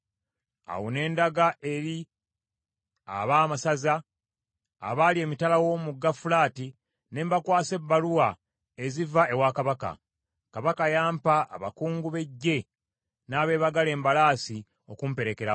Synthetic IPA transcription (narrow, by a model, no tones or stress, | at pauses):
a̰wone̞ːndaɡaʔe̞ɾi | a̰βaːmasaza̰ː | βalie̞ːmitalawo̞ːmuɡːafulaːti | ne̞ːmbakwaːse̞bːaluwa | e̞zivaʔe̞wakaβaka̰ | kaβakajaːmpa̰ːβa̰kuːŋɡuβe̞ɟːe̞ | naːβe̞ːβaɡale̞ːmbalaːsi | o̞kumpe̞ɾe̞ke̞ɾa